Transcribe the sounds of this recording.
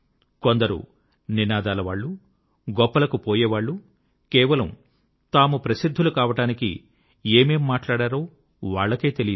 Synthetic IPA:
kond̪ɐɾṵ | ninaːd̪aːlɐʋaːɭːu | ɡɔpːɐlɐkupoːjɛːʋaːɭːu | kɛːʋɐlɐm | t̪aːmupɾɐsid̪ʱːulukaːʋɐʈaːnikḭ | eːme̞ːmːaːʈlaːɽaːɾo̞ː | ʋaːɭːɐke̞ːt̪e̞lij

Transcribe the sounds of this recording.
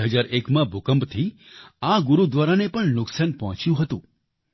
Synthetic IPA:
ɦəd͡ʒaɾekmãbʱʊkəmbt̪ʰiaɡʊɾud̪ʋaɾanepəɳnʊksanpɔɦɔ̃t͡ʃjũɦət̪ṵ̃

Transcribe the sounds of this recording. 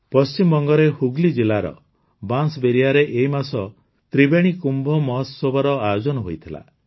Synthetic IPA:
pɔst͡ʃimbɔŋɡɔɾehuɡlid͡ʒilaɾɔ̰ | bansbeɾiaɾeʔeɦimasɔ | t̪ɾibeɽ̃ikumbʱɔmɔɦɔsːobʱɔɾɔajd͡ʒɔnɔɦojt̪ʰila̰

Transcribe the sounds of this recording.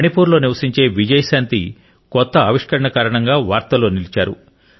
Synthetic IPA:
mɐɳipuːɾlo̞ːniʋɐsiɲt͡ʃe̞ːʋid͡ʒɐjɐsaːnt̪i | kɔt̪ːɐːʋiʂkɐɾɐɳɐkaːɾɐɳɐŋɡaːʋaːɾt̪ɐlo̞ːnilit͡ʃaːɾṵ

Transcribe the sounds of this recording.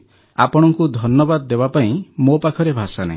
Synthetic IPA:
apɔɽ̃ɔŋkud̪ʱɔnjɔbad̪ɔd̪ebapaĩmopakʰɔɾebʱasanã̰

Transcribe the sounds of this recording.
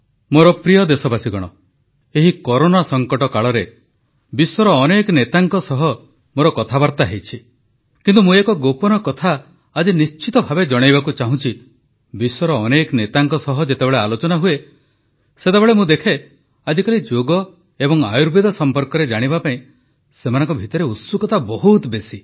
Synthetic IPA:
moɾɔpɾijɔd̪esɔbasiɡɔɽ̃ɔ̰ | eɦikɔɾonasɔŋkɔʈɔkaɭɔɾe | biswɔɾɔːnekɔnet̪aŋkɔsɔɦɔ | moɾɔkɔt̪ʰabaɾt̪aɦejt͡ʃʰi | kint̪umũekɔɡopɔnɔkɔt̪ʰaː | d͡ʒinist͡ʃit̪ɔbʱabed͡ʒɔɽ̃ajbakut͡ʃaɦũt͡ʃʰi | biswɔɾɔːnekɔnet̪aŋkɔsɔɦɔd͡ʒet̪ebeɭealot͡ʃɔnaɦue | set̪ebeɭemũd̪ekʰe | ad͡ʒikalid͡ʒoɡɔ | ebɔŋa̰juɾbid̪ɔsɔmpɔɾkɔɾed͡ʒaɽ̃ibapaĩ | semanɔ̃ŋkɔbʱit̪ɔɾeut̪sukɔt̪abɔɦut̪besi

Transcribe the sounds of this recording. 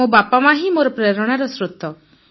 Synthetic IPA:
obapamaɦimoɾɔpɾeɾɔɽ̃aɾɔsɾut̪ɔ

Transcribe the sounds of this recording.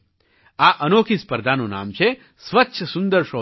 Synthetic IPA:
aʔənokʰispəɾd̪ʱanona̰mt͡ʃʰe | sʋətːʃʰəsund̪əɾʃo

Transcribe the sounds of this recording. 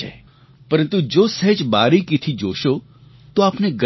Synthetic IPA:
ḛ | pəɾə̃nt̪ud͡ʒoːsəɦd͡ʒbaːɾikɪt̪ʰid͡ʒoːʃo | t̪oaːpneɡə

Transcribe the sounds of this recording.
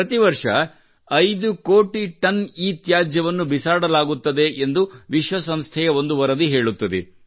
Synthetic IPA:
ɐt̪iʋɐɾʂɐ̰ | ɐjd̪ukoːʈiʈɐniːt̪jaːd͡ʒjɐʋɐnːubisaːɽɐlaːɡut̪ːɐd̪e̞ʔend̪uʋiʃʋɐsɐmst̪ʰɛjɐo̞nd̪uʋɐɾɐd̪iɦe̞ːɭut̪ːɐd̪e

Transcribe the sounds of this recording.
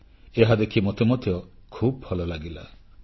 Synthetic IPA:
eɦad̪ekʰimot̪emot̪jɔkʰubɔbʰʱɔlɔlaɡila̰

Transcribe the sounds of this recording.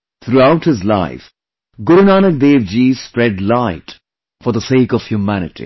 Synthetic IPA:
t̪ʰɾuaʊʈhɪzla̰ɪf | ɡʊɾunaːnək̚deːʋd͡ʒiːspɾɛɖlaɪt | fɔɾd̪əseːkɔʋ̥hjumænɪ̰ʈʰḭ

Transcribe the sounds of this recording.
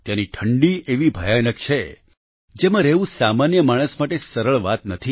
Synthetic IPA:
t̪jãniʈʰəɳɖieʋibʱəjanəkt͡ʃʰe | d͡ʒemãɾɛʋũsamanjəmaɽ̃əsmaʈesəɾəɭʋat̪nət̪ʰi

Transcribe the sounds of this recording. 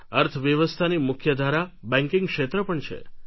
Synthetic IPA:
əɾt̪ʰəʋjəʋəst̪ʰanimʊkʰjəd̪ʱaɾabɛ̃ŋkɪ̃ŋɡkʃet̪ɾəpəɳt͡ʃʰḛ

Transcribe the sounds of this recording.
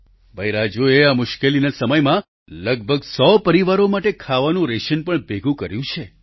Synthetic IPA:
bʱəjɾad͡ʒueamʊʃkelinasəməjmã | ləɡ̚bʱəɡsɔpəɾiʋaɾomaʈekʰaʋanũɾeʃənpəɳbeɡʱũkəɾjũt͡ʃʰe

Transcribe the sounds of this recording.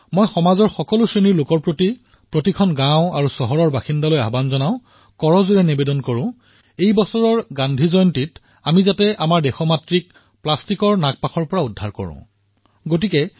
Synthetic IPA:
mojxɔmazɔɹxɔkɔlʊsɹeniɹlʊkɔɹpɹoti | pɹotikʰɔnɡãwʊ̃aɹusɔɦɔɹɔɹbaxindaloja̰banzɔnaʊ̃ | kɔɹɔzuɹɛnibedɔnkoɹʊ̃ | ejbɔsɔɹɔɹɡandʱizɔjɔntit | amizatɛʔamaɹdɛxɔmatɹik̚ | plastikɔɹnak̚paxʰɔɹpɔɹaudʱːaɹkɔ̰ɹʊ̰̃ | ɡotikɛ

